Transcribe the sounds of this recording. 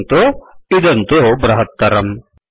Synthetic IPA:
nt̪oid̪ɐnt̪obɾɐɦɐt̪̚ːɐɾɐm

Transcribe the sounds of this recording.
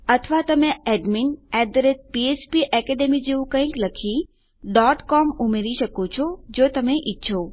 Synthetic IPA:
ət̪ʰʋat̪əmeɛɖminɛd̪ɾet̪̚piespiʔɛkɛɖemid͡ʒeʋũkə̃ĩkləkʰi | ɖɔʈkɔmumeɾiʃəkot͡ʃʰɔd͡ʒot̪əmeʔitːʃʰo

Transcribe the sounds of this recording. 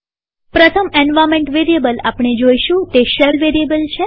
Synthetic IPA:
pɾət̪ʰəmenʋamẽɳʈʋeɾijəbəlapɳ̃ed͡ʒoiʃũt̪eʃəlʋeɾiəbəlt͡ʃʰe

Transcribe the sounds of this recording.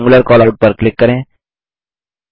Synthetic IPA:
ŋɡʊləɾkɔːlaːɖ̚pəɾklɪkːəɾẽː

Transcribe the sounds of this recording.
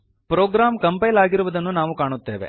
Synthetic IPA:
pɾoːɡɾaːmkɐmpɐjlaːɡiɾuʋɐd̪ɐnːunaːʋukaːɳut̪ːe̞ːʋḛ

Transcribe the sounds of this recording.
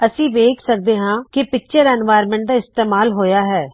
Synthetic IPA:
əsĩːʋeːkʰsək̚d̪eːɦãːkɪpɪk̚t͡ʃəɾɛːnʋaːjɾmɛ̃ːɳʈ̚d̪aːɪst̪eːmaːlɦoːjaːɦɛː

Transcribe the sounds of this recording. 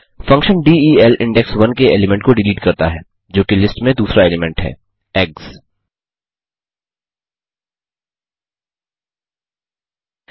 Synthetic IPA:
fɐ̃ŋkʃənɖiːiːɛlʔɪ̰̃ɳɖɛksʋɐnkeeːlɪmɛ̃ɳʈkoɖɪliːʈkɐɾt̪aɦɛː | d͡ʒoːkilɪsʈmẽd̪uːsɾaeːlɪmɛ̃ɳʈɦɛ̰ː | ɛːks

